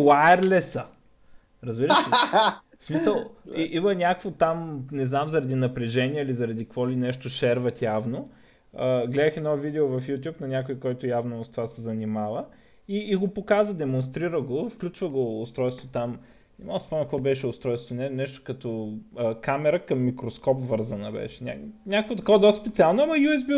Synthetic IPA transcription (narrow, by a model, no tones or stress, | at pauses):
lajɛɾlɛsə | ɾɐzbiɾəʃ | smisəlˠiʔimɐnʲakkvot̪amnɛznamzɐɾɐd̪inɐpɾɛʒɛniɛilizɐɾɐd̪ikvɔlinɛʃt̪oʃɛɾvɐt̪javno | əɡlɛd̪əxɛnɔfvid̪ɛovɐfjut̪ʲjupnɐnʲakoikɔjt̪ʊjavnost̪ovasɛzɐnimavə | iːɡopokazvəd̪ɛmonst̪ɾiɾəɡofklʲut͡ʃvəɡoːst̪ɾɔjst̪vot̪am | ɛmɔəspɔmnʲɐkvɔbɛʃɛʊst̪ɾɔjst̪vonɛnɛʃt̪o̥kɐt̪ɔəkamɛɾəkɐmːikɾoskɔpvɤɾzənəbɛ̰ʃɛnʲa̰nʲakəkvot̪ɐkovɐd̪ɔspɛt̪sialˠnʊɐmɐjuɛzbi